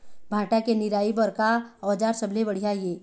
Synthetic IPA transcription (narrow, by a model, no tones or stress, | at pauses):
bʱãːʈakenɪɾaːibɔɾkaɔːd͡ʒaːɾsɐbʱlebəɽ̤ijaieː